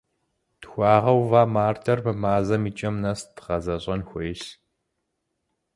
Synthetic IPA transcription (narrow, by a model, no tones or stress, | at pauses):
txʷɑːʁɐwvaːmaːrtʰɐrpɐmaːzɐmiːt͡ʃʼɐmnɐstʁɐzɐɕʼɐnxʷeːɬ